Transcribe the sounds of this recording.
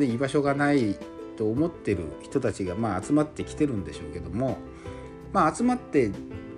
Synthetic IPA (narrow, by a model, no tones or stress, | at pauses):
eibaɕo̞ɡanai | t̪o̞ːmo̞t̪ːe̞ɾɯ̟̰çi̥t̪o̞t̪at͡ɕiɡamaːt͡sɨmat̪ːe̞kʲi̥t̪e̞ɾɯ̟̃nd̪e̞ɕo̞ːke̞d̪o̞mo̞ | maːt͡sɨmat̪ːe̞